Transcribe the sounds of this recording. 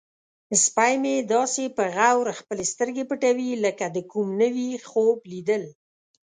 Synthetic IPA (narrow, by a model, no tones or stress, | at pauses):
spajmed̪ɑsepəɣawɾxpəlest̪əɾɡepəʈawiləkad̪əkumnəwixoblid̪əl